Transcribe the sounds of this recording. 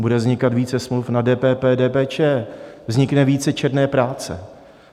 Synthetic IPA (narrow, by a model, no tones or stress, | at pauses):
budɛvzɲɪkat̪viːt͡sɛsmlufnadɛːpɛːpɛːdɛːpɛːt͡ʃɛːvzɲɪknɛviːt͡sɛt͡ʃɛdnɛːpɾaːt͡sɛ̰